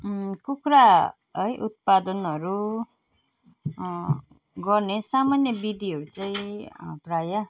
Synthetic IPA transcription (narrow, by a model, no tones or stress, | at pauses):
kukɾa | ʌjʔut̪̚pad̪ʌnɦʌɾu | ɡʌrnesamanjʌbid̪iɦʌɾut͡saĩpraja